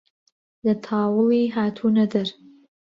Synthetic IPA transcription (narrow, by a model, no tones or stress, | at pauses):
d̪ət̪ʰɑwuwiɦat̪ʰunad̪əɾ